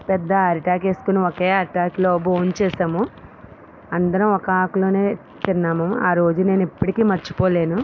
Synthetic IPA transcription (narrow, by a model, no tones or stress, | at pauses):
pɛd̪ːɐaːɾiʈaːkeːsu̥kuniɔkeːaːɾʈaːkloːboːɲt͡ʃɛːsaːmu | ɐnd̪ɐɾɐmɔkɐaːkulo̞ːne̞ː | t̪inːaːmɐmaːɾo̞ːd͡ʒune̞ːnipːɐʈikiːmɐt͡ʃːu̥poːle̞ːnu